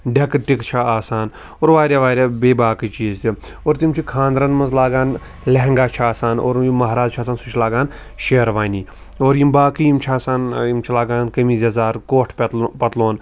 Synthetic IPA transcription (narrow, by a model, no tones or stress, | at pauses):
ɖɐkʈikt͡ʃʰaaːsaːn | oːɾʋaːɾʲjaʋaːɾʲjaːbeːbaːkɨt͡ʃiːzt̪i | oːɾt̪imt͡ʃʰikʰãːnd̪ɾɐnmɐnzlaːɡaːn | lɐɦɐŋɡaːt͡ʃʰiaːsaːno̰ːɾimːɐɦɾaːzt͡ʃʰaːsaːnsut͡ʃʰlaːɡaːn | ʃeːɾʋaːniː | oːɾjimbaːkijimt͡ʃʰaːsaːnjimt͡ʃʰilaːɡaːnkɐmiːzɐzaːɾkoːʈʰpɐt̪pɐt̪loːn